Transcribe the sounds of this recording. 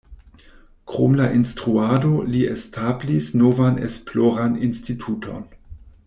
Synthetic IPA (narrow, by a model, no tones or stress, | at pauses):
kɾo̰mlaʔinstʁuado̞liestʰablisnovanḛsploɾaninstitʰutʰo̞̰n